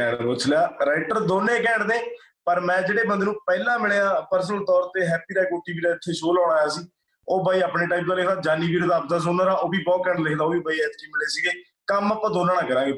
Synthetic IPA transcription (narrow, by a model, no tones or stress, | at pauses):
ɛːɳoːt͡ʃʰlaːɾaːɪʈəɾd̪oːneːkɛ̃ːɳɖneː | pəɾmɛ̃ːd͡ʒeːɽeːbənd̪eːnũːpɛːlãːmɪɽeːãːpəɾsənəlt̪ɔːɾt̪eːɦɛːpiːɾaːkoːʈiːbiːɾaːɪt̪ʰːeːʃoːlɔ̃ːɽ̃aːjaːsiː | oːbaːiːaːpneːʈaːjpkaːlɪkʰd̪aːd͡ʒaːniːbiːɾd̪aːbd̪aːs̬ʊnãːɾãːʔoːbiːbɔːkɛ̃ːɳʈlɪkʰd̪aːoːbiːbaːiːɛt̪ʈiːmɪɽeːsiːɡeː | kəmaːpãːd̪oːnaːɽãːkəɾãːɡeː